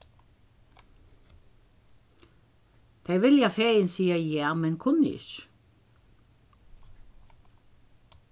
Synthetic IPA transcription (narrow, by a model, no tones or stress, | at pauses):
d̪̥æɪʋɪljɑfeːənsiːəjæːʁmɛnkʰʊnɪ̰ʃ